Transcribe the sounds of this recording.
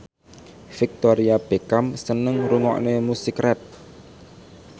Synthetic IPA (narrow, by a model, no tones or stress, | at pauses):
fɪk̚t̪oɾiab̥ekamsənəŋɾuŋɔ̰ʔnemusikɾɛt̪̚